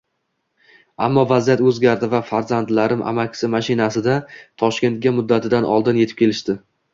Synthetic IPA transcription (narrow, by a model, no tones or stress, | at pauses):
amːɒvazijat̪ɵzɡʲaɾd̪ɪvafaɾzand̪laɾɪmʔa̰makʲsɪmaʃɪnasɪd̪at̪ʰɒʃkʲe̞nt̪̚ɡʲamʊd̪ːat̪ʰɪd̪anʔɒ̰lˠd̪ɪnje̞t̪ʰɪ̥p̚kʰʲe̞lɪʃt̪ɪ